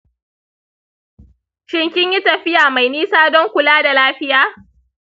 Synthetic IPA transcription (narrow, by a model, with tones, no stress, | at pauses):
ʃɪ˦ŋkʲɪ˦ɲji˦tɐ˨ɸɪ˦jaː˨ma˨jniː˦saː˦dɔ˦ŋkʷʊ˨laː˦da˨laː˦ɸɪ˦jaː˦